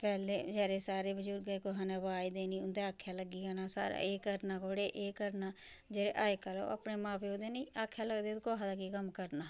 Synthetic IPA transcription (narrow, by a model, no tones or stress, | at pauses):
pɛːleːd͡ʒɛːɾeːsaːɾeːbəd͡ʒuːɾɡəekoːɦaːneːʋaːid̪eːnĩːʊnd̪eaːkʰːjaːləɡiːkanaːsa̰ːɾa̰eːkəɾnaːkoːɽeːʔeːkəɾnaː | d͡ʒeɾeːʔaːekalo̰ːə̰pneːmãːpeːod̪eːniːaːkʰːjaːləɡd̪eːt̪ːkoːɦaːd̪aːɡikəmkəɾnaː